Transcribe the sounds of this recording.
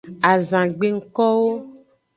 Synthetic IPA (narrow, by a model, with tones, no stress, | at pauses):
a˨zã˨ɡ͡be˨ŋ̩˦kɔ˦wo˦